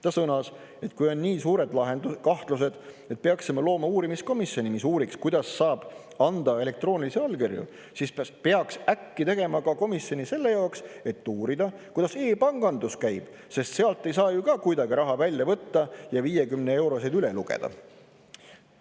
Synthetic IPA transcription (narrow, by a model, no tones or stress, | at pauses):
t̪ɑsɤnɑs | e̞t̪ːˑkujo̞nːiːsuːɾe̞d̪̥lɑɦend̪ukɑht̪luse̞d̪̥ | et̪̚peɑksimɑlo̞ːmɑuːɾimisko̞misjo̞nimisuːɾikskujd̪ɑsːɑːb̥ | ɑnd̪̥ɑe̞le̞k̚t̪ro̞ːnʲiliseɑlɡerjṵ | sispeɑksækːit̪e̞ɡ̥e̞mɑkɑko̞misjo̞nʲise̞lːe̞jɑokse̞t̪ːuːɾid̪̥ɑkujd̪̥ɑse̞ːpɑŋɡ̥ɑnd̪uskæjb̥ | se̞st̪se̞ɑlt̪ːˑe̞jsɑːjukɑkujd̪ɑɡ̥iɾɑɦɑvælʲjɑvɤt̪ːɑjɑviːje̞kymnee̞wɾo̞sejd̪yleluɡ̥ḛd̪̥ɑ̰